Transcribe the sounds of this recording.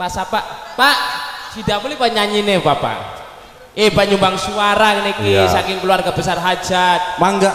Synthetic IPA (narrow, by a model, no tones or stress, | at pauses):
pasapaʔpaʔd͡ʒ̥id̪amulipaɲaɲinepapa̰ | epaɲumbaŋsuaɾakənekisakɪŋkəluarɡabəsarɦad̥d͡ʒ̥at̪̚maŋɡa